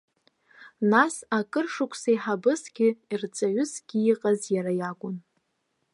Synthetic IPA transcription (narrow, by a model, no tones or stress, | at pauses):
nasakʼɨrʂʊkʷʰʼsaiħabɨsɡʲɪirt͡sʼaɥʏsɡʲɪiqʼazjaɾajaɡʷʼʊn